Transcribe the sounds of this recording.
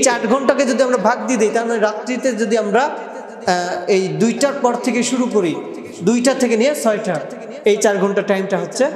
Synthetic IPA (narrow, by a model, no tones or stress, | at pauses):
t͡ɕaʈɡʱɔɳʈaked͡ʑod̪iamɾabʱaɡ̚d̪id̪ejt̪aɾmaneɾat̪ːɾit̪ed͡ʑod̪iamɾa | ejd̪ujʈaɾpɔɾt̪ʰekeʃuɾukoɾi | d̪ujʈat̪ʰekenijet͡ɕʰɔeʈa | ejt͡ɕaɾɡʱɔɳʈaʈajmʈaɦotːɕʰe